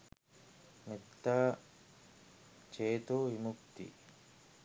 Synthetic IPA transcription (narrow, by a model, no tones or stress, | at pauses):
met̪ːaː | t͡ʃeːt̪oːʋimukt̪ḭ